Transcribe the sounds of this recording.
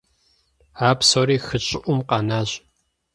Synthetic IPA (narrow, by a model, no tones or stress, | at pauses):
aːpsoːɾiːxɨɕʼɪʔʷʊmqɑnaːʑ